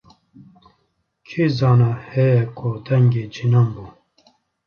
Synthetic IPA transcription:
kʰiːzɑːnahɛjɛkʰʊd̪ɛŋɡeːd͡ʒinɑːmbu

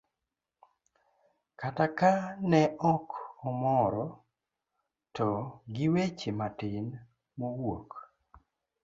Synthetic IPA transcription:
katakanɛʔɔkɔmɔɾɔ | tɔɡɪwet͡ʃematɪn | mowok

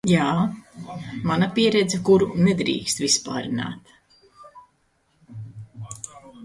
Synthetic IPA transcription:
jaː | manapiɛɾɛd̪zɛkuɾunɛd̪ɾḭːkst̪vispa̰ːɾina̰ːt̪

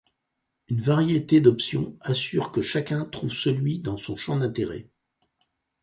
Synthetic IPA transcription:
ynvaʁjet̪ed̪ɔpsjɔ̰̃asyʁkəʃakʲɛ̃t̪χuvsəlɥid̪ɑ̃sɔ̃ʃɑ̃d̪ɛ̃t̪eʁɛ̰

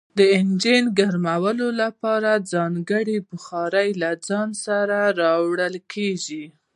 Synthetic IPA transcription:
d̪əɪnd͡ʒenɡaɾmawəlolapɑɾad͡zɑŋɡəɽibʊxɑɾəjlad͡zɑnsaɾaɾɑwɽəlkʰeʒi

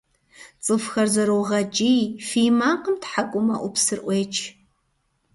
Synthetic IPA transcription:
t͡sʼɨfxɐrzɐɾowʁɐt͡ʃʼijfiːmaːqəmtħakʷʼʊmɐʔʷʊpsɨrʔʷeːt͡ʃʼʰ

